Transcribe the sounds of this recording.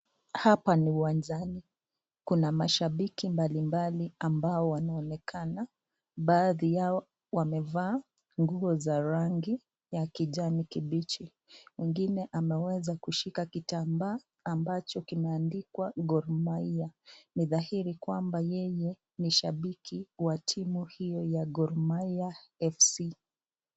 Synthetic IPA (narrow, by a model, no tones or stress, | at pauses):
hapaniuwand͡ʒani | kunamaʃaɓikimbalimbaliambaɔwanaɔnɛkʰana | ɓaːðija | wamɛvaː | ŋɡuɔzaɾaŋɡi | jakiʄanikiɓit͡ʃi | mwiŋɡinɛʔamɛwɛzakuʃikakitambaː | mbat͡ʃɔkimɛandikwaɡɔɾmaianiðahiɾikwambajɛjɛ | niʃaɓikʰiwatʰimuhijɔjaɡɔɾmaiaɛfsi